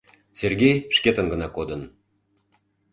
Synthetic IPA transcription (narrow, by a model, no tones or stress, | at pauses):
serɣʲejʃket̪ə̆nɡənɑkod̪ən